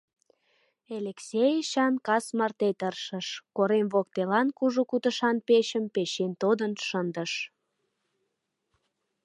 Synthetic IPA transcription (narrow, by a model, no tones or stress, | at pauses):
eleksʲejəʃɑnkɑsmɑrt̪et̪ərʃəʃkoɾemβok̚t̪elɑnkuʒukut̪əʃɑnpeʃəmpeʃent̪od̪ənʃənd̪əʃ